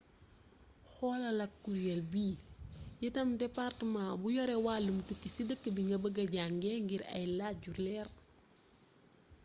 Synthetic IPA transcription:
xɔːlɐlɐkːuɾjɛlbiːjitɐmdɛpartəmãbujɔɾɛwaːlːumutukːisidəkːəbiŋɡɐbəɡɐɟaŋɡɛŋɡiɾɐ̰jlaɟurlɛr

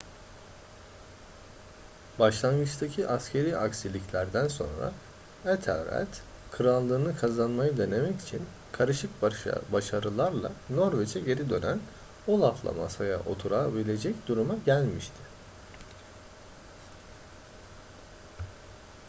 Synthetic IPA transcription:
baʃlˠanɡɯt͡ʃt̪ʰacʰiʔascʲʰe̞ɾiːaksilʲiclʲæɾd̪ænso̞̰nɾa̰ | ɛt̪ʰɛ̰lɾæ̰t̪ | kʰɯɾalˠːɯːnɯkʰazanmajɯd̪e̞ne̞mɛci̥t͡ʃʰin | kʰaɾɯʃɯk̚baʃaɾɯlˠaɾlˠa̰no̞ɾvet͡ʃʰɛɟe̞ɾid̪ø̞næn | olˠat̪ʰlˠa̰ma̰saja̰ʔo̞̰t̪ʰuɾabilʲe̞d͡ʒɛcd̪uɾumaɟælʲmiʃt̪ʰɪ̥

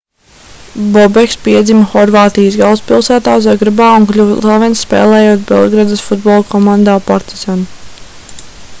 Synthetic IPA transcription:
bɔbɛkspiɛd̪zimɐxɔɾvaːt̪ijəsɡalˠspʲilˠsæːt̪aːszaɡɾabaːuŋklʲuvlˠavɛnsːpɛ̰ːlˠɛːjoɔt̪bɛ̰lˠɡɾad̪ɐsfud̪̚bɔlˠkʰɔmãnd̪aːpaɾt̪iz̥ɔnu

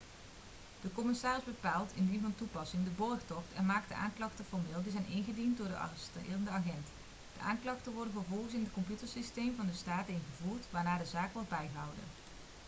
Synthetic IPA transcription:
d̥əkɔmɪsaːrɪzbəpaːlˠtɪndinvɑntupɑsɪŋdəbɔrχtɔχtɛ̰nmaːkt̚dəʔa̰ːŋklɑχtəfɔɹmɪːlˠdizɛjnɪnχədint̚dʊːɹdəʔɑ̰stdəɑχɛnt | d̥əʔaːŋklɑχtənʋɔɹdənvəɹvɔlˠχəsɪndətkɔmpjutəɹsistejmvɑndəstaːtəɪnχəvuːɹtʋaːɹnaːdəzaːkʋɔɹd̚bɛjɦʌwdə̰n

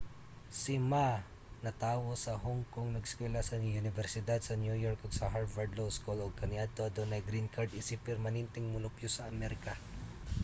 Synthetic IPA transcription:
sɪma | nɐt̪aːwosɐɦoŋkoŋnɐɡskwɛlasɐʊnɪvɛɾsɪd̪ad̪̚sɐnjujɔɹkoɡsɐɦaɹvɐɹd̪lowskuloɡ̚kɐnjat̪od̪onɐjɡɾinkʰaɹd̪ɪsɪpɛɾmɐnɛnt̪ɛŋmʊlʊpjʊsɐʔɐmɛɾɪka

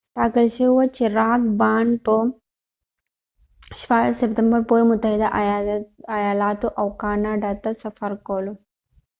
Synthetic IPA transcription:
t̪aːkɐlʃewɐt͡ʃiɾaːkbaːnpo | ʃasepʈ̪ɐmbɐɾpoːjimut̪ːɐjd̪ɐʔ | ɐjaːlaːt̪uʔɐwkaːnaɖɐt̪ɐsɐfɐɾkoːlu

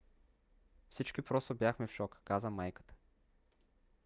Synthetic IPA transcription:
fsit͡ʃk̟ipɾɔst̪objaxmɛfʃɔkkazəmajkə̥t̪ə̥

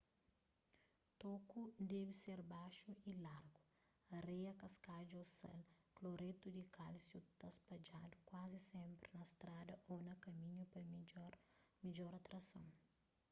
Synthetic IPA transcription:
t̪okud̪ɛbiseɾbaʃuilaɾɡu | ɐrejɐkɐskad͡ʒuosɛ̰lkloɾet̪ud̪ikʰalsjut̪ɐspɐd͡ʒad̪ukwazisɛ̃mpɾinɐst̪ɾad̪ɐʔonɐkɐmĩɲupɐɾmid͡ʒɔɾɐt̪ɾɐsɐ̃w̃

